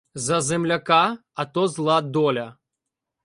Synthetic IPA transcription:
zɐzɛmlʲɐkaɐt̪ɔzlˠad̪ɔlʲɐ

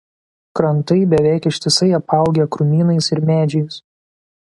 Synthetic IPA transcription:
kɾɐnˑt̪ɐɪbʲɛʋʲæˑɪkɪʃʲt̪ʲɪsɐɪɐpɐˑʊɡʲɛkɾʊmʲiːnɐɪsɪɾmʲæːd͡ʒʲɛɪs

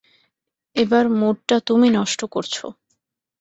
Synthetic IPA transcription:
ebaɾmuɖʈat̪uminɔʃʈokoɾt͡ɕʰo̰

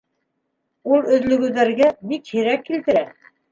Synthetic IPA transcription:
ulˠɵ̆ðlɵ̆ɡɘ̆ðæɾɡæbikhiɾækːilt̪ɘ̆ɾæ

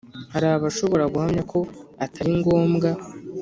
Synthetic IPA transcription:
haɾaːβaʃo̞βo̞ɾaɡuhamɲakʰo̞atʰaɾiŋɡo̞ːmɡa

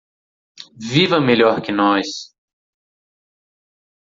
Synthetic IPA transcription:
vivɐmeʎɔɾkɪnɔjs

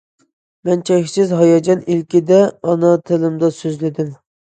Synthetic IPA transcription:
mɛnt͡ʃʰɛkʲsɪzɦɑjɑd͡ʒɑnilkʲid̪ɛɑnɑt̪ʰɪlɪmd̪ɑsøzlɪd̪ɪm

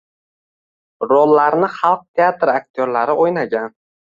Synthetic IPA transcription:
ɾolːaɾnɪχɑlˠq̚t̪ʰeat̪ɾak̚ʲt̪ʰoɾlaɾɪʔojnaɡʲan

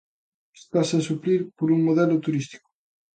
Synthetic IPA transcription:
est̪asasupɾiɾpoɾuŋmoðɛlʊt̪uɾist̪i̥kʊ̥

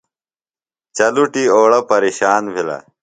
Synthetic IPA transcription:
t͡ɕɐluʈiːoːɽɐpɐɾiːɕaːnbʱilɐ̰

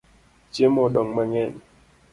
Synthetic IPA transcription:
t͡ʃjemoɗɔŋmaŋɛn

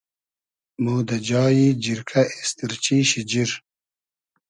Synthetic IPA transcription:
muːd̪ɐd͡ʑaːjid͡ʑiɾkʰɐʔist̪iɾt͡ɕiːɕid͡ʑiɾ

